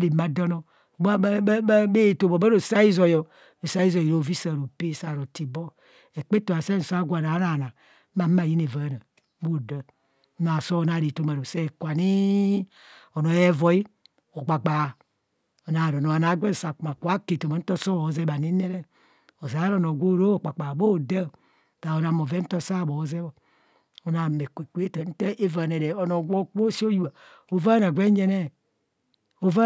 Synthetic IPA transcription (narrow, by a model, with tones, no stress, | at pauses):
ɾi˨ma˨dɔ˦no˨ | ba˦be˦˨to˨bo˨ba˦ɾo˨sa˦i˦zo˨jo˨ | o˨sa˦i˦zo˨ji˨ɾo˨vi˦sa˨ɾo˨pe˦˨sa˨ɾo˨ti˨bɔ˦ | e˨k͡pe˦to˨a˨se˦n̩˨sa˦ɡʷa˨na˨˦na˨na˨˦ | ma˨m˦a˨ji˦ne˨va˨˦˨na˨˦ | bo˦˨da˦ | n˦a˨so˦o˨na˨ɾi˨to˦ma˨ɾo˨se˦˨kʷa˨ni˦ | o˨no˨e˦vo˨i˦ | o˨ɡ͡ba˨ɡ͡ba˨ | o˨na˨ɾo˨no˨a˨na˨˦ɡʷe˦˨sa˨kma˨kʷa˦ke˨to˨ma˨n̩˦to˦so˦˨o˨ze˦ba˨ni˦ne˦ɾe˦ | o˨za˨˦ɾo˨no˨ɡʷo˦ɾo˦˨k͡pa˨k͡pa˨bo˦˨da˦˨ | ta˨o˦na˨mo˨ve˦n̩˦to˦sa˦˨bo˨˦ze˦wo˨ | o˨na˨me˨kʷe˨kʷe˦ta˨˦n̩˦te˦ʔe˦va˨ne˨ɾe˨o˨no˨ɡʷo˦k͡po˦si˦o˦ju˦a˨ | o˨va˦na˨ɡʷe˦ɲe˦ne˦ | o˨va˦